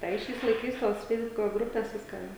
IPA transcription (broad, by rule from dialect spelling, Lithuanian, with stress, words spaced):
ˈtɐɪ ˈʃʲɛɪs lˠɐɪˈkɐɪs toːs ˈfʲɛɪzbʊkoː ˈɡrʊpʲeːs ˈʋʲɪskɐ